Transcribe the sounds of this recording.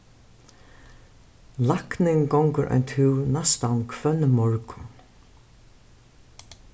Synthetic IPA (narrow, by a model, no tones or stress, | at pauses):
laknɪŋkɔwŋkʊɾʔa̰jnt̪ʰɪwnast̪ankʰvœnːmɔɹkʊ̥